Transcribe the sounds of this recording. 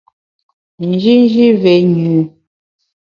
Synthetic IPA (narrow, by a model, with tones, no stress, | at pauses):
n̩˨d͡ʒi˦n˦d͡ʒi˦vɛ˨˦ɲu˨